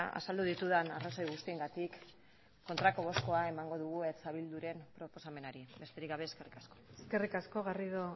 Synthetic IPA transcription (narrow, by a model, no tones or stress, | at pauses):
a̰sald̪uðit̪uðanaraso̞jɣust̪ieŋɡat̪ikː | o̞nt̪ɾako̞ɣo̞sko̞ae̞maŋɡo̞ðuɣuet͡saβild̪uɾe̞mpɾo̞po̞same̞naɾiβe̞st̪e̞ɾikɡaβ̞e̞ːske̞rikaskoeske̞rikasko̞ɣariðo